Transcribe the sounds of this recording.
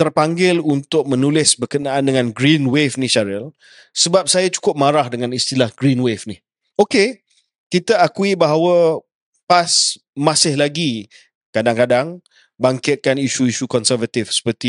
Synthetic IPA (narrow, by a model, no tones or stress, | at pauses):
t̪ərpaŋɡɪlunt̪ʊk̚mə̃nulɪsbərkənaʔːndəŋãnɡɾinwefnĩsaɾəl | səbap̚sajat͡ʃu̥kʊp̚maɾahdəŋãnist̪ilahɡɾinwefnih | oke | kit̪aakuibaɦawə | pas | mãsɪhlaɡi | kadaŋkadaŋ | baŋkɪt̪̚kaniʃuiʃukɔnsərvat̪ifsə̥pərt̪i